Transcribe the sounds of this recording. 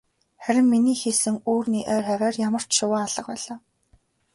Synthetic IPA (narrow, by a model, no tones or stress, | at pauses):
χæɾʲɪ̆mːiniːxesɘ̆ŋuːrniːʔœːrχæɾæːrjamə̆r̥t͡ɕʃʊwaːaɮ̥ə̆q̚pæːɮaː